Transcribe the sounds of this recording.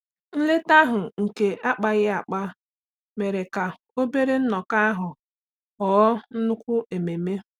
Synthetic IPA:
n̩˦le˦ta˦ɦʊ˨ŋ̩˨ke˨a˦k͡pa˦ɣɪ˦a˨k͡pa˦ | me˨ɾe˨ka˨ | o˦be˦ɾe˦n̩˦nɔ˨ka˦a˦ɦʊ˨ | ɔː˦n̩˦nʊ˦kʷʊ˦e˨me˨me˦

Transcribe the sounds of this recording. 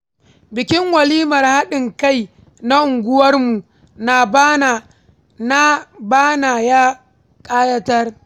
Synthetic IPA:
bɪ˨kʲɪ˦ŋwɐ˨liː˦mɐ˨rha˦ɗɪ˨ŋka˦˨j | na˦ʔʊ˨ŋɡʷʊ˦wɐ˦rmu˨ | na˨bn˨ | na˦baː˦naː˨jaː˦ | kʼaː˦jɐ˦tɐ˦r

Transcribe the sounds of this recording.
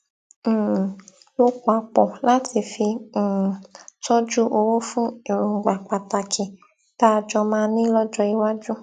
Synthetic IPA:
lo˦k͡pa˧k͡pɔ˨la˦tʰi˧fĩ˧˨ | tɔ˦d͡ʒu˦ʔo˧wo˦fũ˦e˨ɾu˨ŋ̩˨ɡ͡ba˨k͡pa˨ta˨kʰi˨ | taː˦˧d͡ʒɔ˧mãː˧nĩ˦lɔ˦d͡ʒɔ˧i˧wa˦d͡ʒu˦

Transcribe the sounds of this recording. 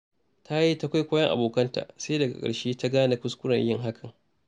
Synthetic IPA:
tʰa˦ji˦ta˦kʷa˦jkʷoː˦jɐ˦ŋʔa̰˨boː˨kɐ˦nta̰ː˨se˦dɐ˨ɡa̰˨kʼɐ̰˨ɽʃeː˦ta˦ɡaː˦na˦kʊ˦skʷʊ˦ɽɐ̰˨ɲjɪ˦ŋɦa˦kʰɐ˨ŋ

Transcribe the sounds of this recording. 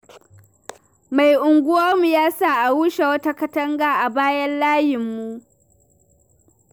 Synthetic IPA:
ma˨jʔʊ˨ŋɡʷʊ˦waː˦mu˨jaː˦saː˦˨ʔa˨wuː˦ʃe˨wɐ˦ta˦kɐ˦tɐ˦ŋɡaː˨ʔa˨baː˦jɐ˦nlaː˦jɪ˨mːu˦ʔ

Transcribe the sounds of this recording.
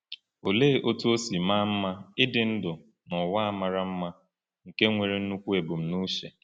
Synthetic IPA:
o˨le˦˨ʔo˦tu˦o˦si˨ma˦m̩˦ma˦ɪ˦dɪ˨n̩˦dʊ˨ | nɔ˨wa˦a˨ma˨ɾa˦m̩˦ma˦ | ŋ̩˨ke˦ŋʷe˨ɾe˨n̩˦nu˦kʷu˦e˨bʊ˨m̩˨nu˦ʃe˨

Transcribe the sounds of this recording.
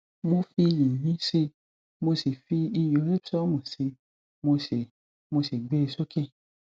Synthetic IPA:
mõ˧fi˧ji˨ɲĩ˦se˧ | mo˧se˨fi˧i˧jo˨˦le˦psɔ˦mõ˨se˧ | mo˧se˨ | mo˧se˨ɡ͡be˦˧˨so˦ke˦˨

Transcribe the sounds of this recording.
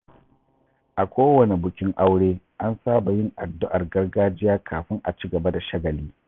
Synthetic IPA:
ʔa˨kʷoː˦wɐ˨ne˨bʊ˨kʲɪ˦ŋʔa˦wɽeː˦ | ʔa˦nsaː˦ba˨jɪ˦ŋʔa̰˨dːʊ˦ʔa˨rɡɐ˦rɡaː˦d͡ʒɪ˦jaː˦kʰaː˨ɸɪ˦ŋʔa̰˨t͡ʃi˦ɡɐ˨ba˦da˨ʃɐ˦ɡɐ˨liː˦

